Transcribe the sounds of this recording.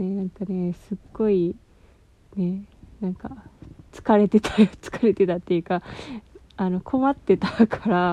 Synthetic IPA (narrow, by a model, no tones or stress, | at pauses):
nenãŋkane̞sɨɡ̥ːo̞i | ne̞nãŋkat͡sɨ̥kaɾe̞t̪e̞t̪ʰaɾt͡sɨ̥kaɾe̞t̪e̞t̪at̪ːe̞jɯ̟ka | ano̞kʰo̞mat̪ːe̞t̪akʰaɾa